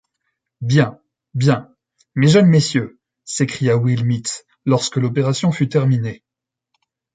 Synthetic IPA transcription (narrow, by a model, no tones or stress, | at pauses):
bjɛ̃ | bjɛ̃ | meʒənmesjø | sekχijawilmit̪ | lɔʁskəlɔpeʁasjɔ̃fyt̪ɛʁmine